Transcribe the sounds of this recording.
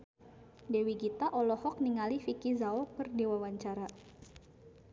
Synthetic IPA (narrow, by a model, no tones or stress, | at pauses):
dewiɡit̪aʔɔlɔhɔk̚niŋalifikizaɔpərdewawaɲt͡ʃaɾa